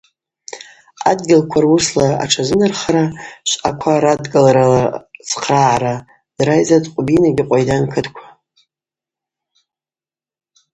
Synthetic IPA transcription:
a̰dɡʲɪlkʷʰarwuslaa̰ʈ͡ʂʰazɨnɨrχaɾaʃʷakʷʰaɾadɡalɾalat͡sʰqʰʼraʕaɾa | d̥rajzatʼqʷʼbinaɡʲɪqʷʼajdankʰɨtʰʼkʷʰḁ

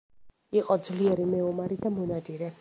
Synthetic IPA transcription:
iqʼɔd̪zliɛɾimɛɔmaɾid̪amɔnad̪iɾɛ

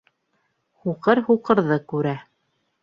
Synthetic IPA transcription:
huqɤɾhuqɤ̆ɾðɤkʉɾæ

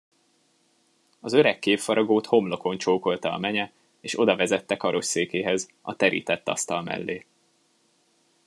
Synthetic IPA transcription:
ɒzøɾɛkːeːffɒɾɒɡoːt̪ho̞mlo̞ko̞nt͡ʃoːko̞lt̪ɒɒ̰mɛɲɛ | eːʃo̞d̪ɒvɛzɛt̪ːɛkɒɾo̞ʃseːkeːɦɛz | ɒt̪ɛɾḭːt̪ɛt̪ːɒ̰st̪ɒlmɛ̰lːeː

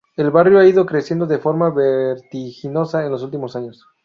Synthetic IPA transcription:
e̞lβarjoaið̞o̞kɾe̞sjend̪o̞ðefo̞ɾmaβeɾt̪ixino̞saenlos̬ult̪imo̞saɲo̞s

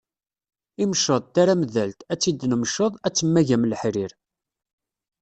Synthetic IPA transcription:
imʃəðˤt̪aɾaməðælt̪æt͡sːid̪ːnəmʃəðˤæt͡sːəmːæʝæmlħɾiɾ

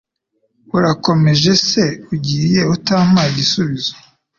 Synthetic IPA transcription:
uɾako̞me̞ʒe̞se̞uɟiːje̞utaːm̥maiɟisuβizo

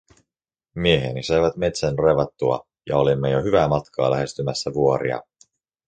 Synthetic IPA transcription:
mieɦenisɑjʋæt̪me̞t̪sænreʋɑt̪ːuɑ̰ | jɑo̞limːe̞joɦyʋæːmɑt̪kʰɑ̰ːlæɦe̞st̪ymæsːæʋuo̞ɾḭɑ̰

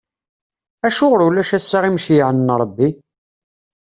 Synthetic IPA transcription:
æʃʊʁɾulæʃæsːaʁimʃjʕənnɾˤəbːi

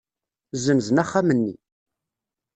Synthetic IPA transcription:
zəmzənæχːamənːḭ

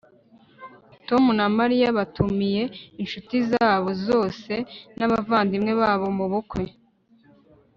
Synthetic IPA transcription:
to̞munamaɾijaβatumije̞inʃutizaːβozo̞ːse̞naβavaːndimŋe̞βaːβo̞muβukwe̞

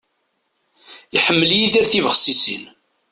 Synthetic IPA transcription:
iħəmːəljiðiɾθivəχsisḭn

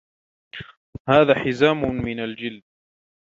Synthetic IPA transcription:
haːðaːħɪzaːmʊmɪnald͡ʒɪld̪̚

